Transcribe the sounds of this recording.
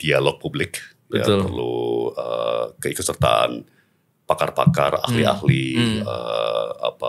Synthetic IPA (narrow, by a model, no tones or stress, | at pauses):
d̪̥ialɔk̚publɪk | jəapərluəkəikʊət̪sərt̪a̰a̰n | pakarpa̰kara̰hlia̰hliə̰a̰pa